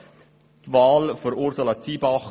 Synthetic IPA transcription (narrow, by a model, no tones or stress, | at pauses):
t̪ʋɑːlfoɾʊɾsolɑt͡siːbɑχ